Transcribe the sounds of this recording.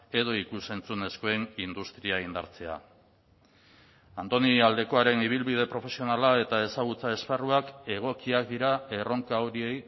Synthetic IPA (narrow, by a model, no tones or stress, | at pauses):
e̞ð̞o̞ikuse̞nt͡sune̞sko̞e̞nind̪ust̪ɾiaind̪a̰ɾt͡se̞a̰ | ant̪oniald̪e̞ko̞aɾe̞niβ̞ilβið̞e̞pɾo̞fe̞sio̞nalae̞t̪ae̞saɣ̞ut͡sae̞sparuake̞ɣ̞o̞kiakd̪iɾae̞ro̞ŋkaoɾie̞j